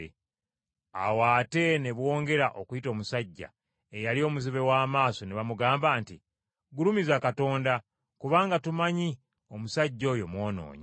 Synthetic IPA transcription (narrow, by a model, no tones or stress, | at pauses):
a̰waːte̞ne̞βwo̞ːŋɡe̞ɾaʔo̞kujito̞ːmusaɟːa̰ | ejalio̞ːmuziβe̞waːmaːso̞neβamuɡaːmbaːnti | ɡulumizakato̞ːnda | kuβaːŋɡatumaɲi | o̞musaɟːo̞ːjo̞mwo̞ːno̞̰ːɲa